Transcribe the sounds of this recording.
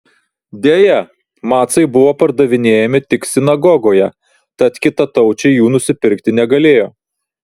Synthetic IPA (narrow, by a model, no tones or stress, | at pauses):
d̪ʲeːjɛ | mɑːt̪sɐɪbʊʋoːpɐɾd̪ɐʋʲɪnʲeːjɛmʲɪt̪ʲɪksʲɪnɐɡɔɡoːjɛ | t̪ɐt̪kʲɪt̪ɐt̪ɐʊt͡ʃʲɛɪjuːnʊsʲɪpʲɪɾʲkt̪ʲɪnʲɛɡɐlʲeːjoː